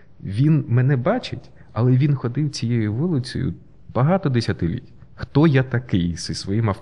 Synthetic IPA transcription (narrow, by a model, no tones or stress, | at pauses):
ʋʲinmɛnɛbɑt͡ʃɪtʲ | ɐlˠɛʋʲinxɔd̪ɪwt͡sʲijejʊʋʊlˠɪt͡sʲɔ̰jʊ̰ | b̥ɐɦɑt̪ɔd̪esʲɐt̪ɪlʲḭtʲ | xt̪ɔjat̪ɐkɪjsɪsʋɔjimɐ